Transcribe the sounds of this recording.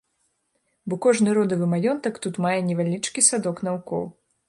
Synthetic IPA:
bɔkɔʐnɨɾɔd̪ɐvɨmajɔnt̪ɐkt̪ut̪majɛnʲɛvʲalʲit͡ʂkʲisad̪ɔknɐvukɔ̰w

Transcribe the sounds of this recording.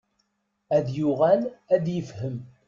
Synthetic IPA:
æðjʊʁælæd̪jəfhəm

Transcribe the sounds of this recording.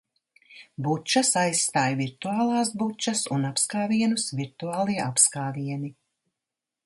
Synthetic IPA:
but͡ʃɐsajsːt̪aːjviɾt̪uaːlˠɑːsbut͡ʃɐsunapskaːviɛnusviɾt̪uaːlˠiɛʔapskaːviɛni

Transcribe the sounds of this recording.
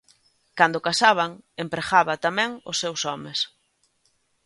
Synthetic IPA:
kand̪ʊkasaβ̞ɐŋempɾexaβat̪amɛ̃ŋʊ̰sːewsɔmes

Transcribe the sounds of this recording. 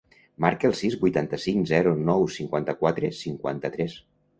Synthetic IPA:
maɾkəəlˠsizbujt̪ant̪əsiŋzɛɾunɔwsiŋkwant̪əkwat̪ɾəsiŋkwa̰nt̪ət̪ɾɛs

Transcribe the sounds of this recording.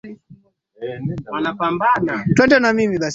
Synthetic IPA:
i | wanapambanatwɛndɛnamimiɓas

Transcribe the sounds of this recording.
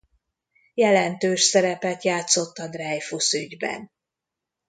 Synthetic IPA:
jɛlɛnt̪øːʃsɛɾɛpɛt̪jaːt̪so̞t̪ːɒd̪rɛːjfusyɟbɛ̰n

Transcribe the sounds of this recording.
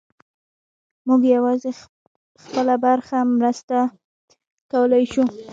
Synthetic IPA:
muɡjawɑze | xpəlabaɾxamɾəst̪a | kawəlajʃu

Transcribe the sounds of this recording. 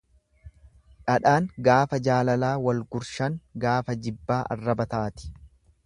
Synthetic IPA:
ᶑɐᶑaːŋɡaːfɐd͡ʒaːlɐlaːwɐlɡʊɾʃɐŋɡaːfɐd͡ʒɪbːaːʔɐ̰rːɐbɐt̪aːt̪ɪ̥

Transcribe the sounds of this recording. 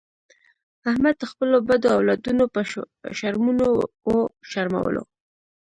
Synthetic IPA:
ahmad̪̚d̪əxpəlobad̪oawlɑd̪unopə | ʃaɾmuno | oʃaɾma̰wə̰lo̰

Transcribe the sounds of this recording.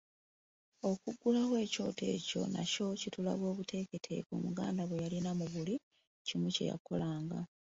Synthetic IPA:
o̞kuɡːulakwe̞ːco̞ːtʰe̞̰ːco̞̰na̰co̞citula̰βwo̞ːβutʰe̞ke̞tʰe̞̰kumuɡa̰ːndaβwejalinamuβuli | cimuce̞̰ja̰ko̞laːŋɡa

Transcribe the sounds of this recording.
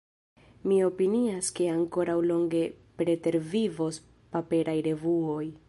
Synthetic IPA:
mio̞piniaske̞aŋko̞ɾawlo̞ŋɡe̞ | pɾe̞te̞ɾvivo̞s | pape̞ɾajɾe̞vuo̞j

